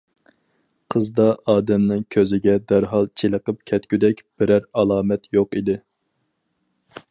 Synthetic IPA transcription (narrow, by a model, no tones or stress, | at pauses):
qʰəzd̪ɑɑːd̪ɛmnɨŋkʲʰøzɪɡʲɛd̪æɾɦɑlˠt͡ʃʰelˠəqəp̚kʲʰɛt̪kʲyd̪ɛkʲb̥ɪɾæɾɑlˠɑːmɛt̪joqid̪ɪ